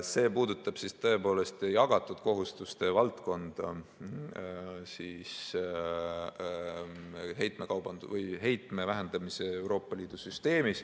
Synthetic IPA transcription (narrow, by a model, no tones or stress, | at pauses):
se̞ːpuːd̪ut̪ːˑɑb̥sist̪ɤe̞po̞ːle̞st̪jɑɡ̥ɑt̪ːˑud̪̥ko̞ɦust̪ust̪e̞vɑlt̪ko̞nd̪̥ɑ | siːs | ɦe̞jt̪ˑme̞kɑwbɑnd̪̥uvɤjɦe̞jt̪ˑme̞væɦend̪̥ɑmise̞e̞wɾo̞ːpːˑɑliːd̪̥usyst̪e̞ːmis